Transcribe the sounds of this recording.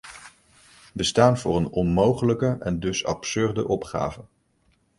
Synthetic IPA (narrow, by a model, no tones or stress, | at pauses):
bəstaːnvʊːrənɔnmowχələkəʔɛndɵsɑpsɵɹdə̰ʔɔpχa̰ːvən